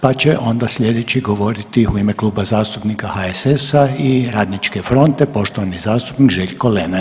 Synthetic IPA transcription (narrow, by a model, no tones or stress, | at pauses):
pat͡ɕeʔo̞nd̪aslʎʲe̞d̪et͡ɕiɡo̞ʋo̞ɾit̪iuime̞klˠuːbazaːst̪upnikahaesesaiɾaːd̪nit͡ʃke̞fɾo̞nt̪e̞po̞ʃt̪oʋanizaːst̪u̥pnikʒeʎʲko̞lena